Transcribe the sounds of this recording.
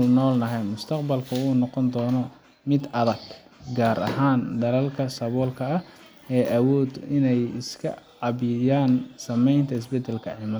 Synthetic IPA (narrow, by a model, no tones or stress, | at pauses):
lnɔːlnɐɦɛjmʊst̪ʰɐqbɐlkʰɐuːnɔqɔnd̪ɔːnɔ | mɪd̪ɐðɐɡ | ɡaːɾʔɐ̰ɦaːnd̪ɐlɐlkʰɐsɐβɔːlkʰɐɐh | ɛːʔɐwɔːd̪ɪnɛjɪskʰɐ̰ʕɑβɪjaːnsɐmɛjnt̪ʰɐɪs̬bɛd̪ɛlkʰɐʕiːmɐ